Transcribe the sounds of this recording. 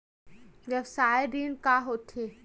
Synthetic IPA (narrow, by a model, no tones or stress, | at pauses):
d͡ʒɐbsaːeɾiːnkaɦoːt̪ʰeː